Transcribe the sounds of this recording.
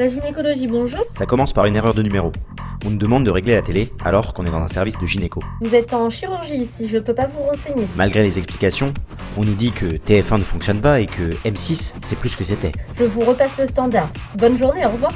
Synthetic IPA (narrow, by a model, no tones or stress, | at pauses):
laʒinekɔlɔʒibɔ̃ʒuːʁsakɔmɑ̃spaʁyneʁœʁd̪ənymeʁoɔ̃nud̪əmɑ̃d̪d̪əʁeɡlelat̪elea̰lɔʁkɔ̃nɛd̪ɑ̃zɛ̰̃sɛʁvisd̪əʒinekovuzɛt̪ɑ̃ʃiʁyʁʒisiʒəpøpavuʁɑ̃seɲemalɡʁelezɛksplikasjɔ̃ɔ̃nud̪ikʰət̪eɛfɛ̃nəfɔ̃ksjɔnpaekʰəɛmsisːɛplysə̥kəset̪ɛʒ̥əvuʁəpasləst̪ɑ̃d̪aʁ | bɔnʒuʁneɔʁvwa